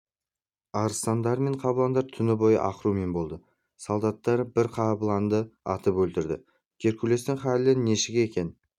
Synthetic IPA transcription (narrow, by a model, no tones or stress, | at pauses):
ɑɾəst̪ɑnd̪ɑɾme̞ɴqʰɑbəlˠɑnd̪ɑɾt̪ʰʏnɪbo̞jə̰ʔɑ̰qəɾume̞nbo̞lˠd̪ə | sɑlˠd̪ɑt̪ːɑɾbɪɾqʰɑbəlˠɑnd̪əɑt̪əpwɵlt̪ɪɾd̪ɪ̰ | kʲʰe̞ɾkʰʲule̞st̪ɪŋχɑlːɪnːe̞ʃɪɡʲeekʲe̞n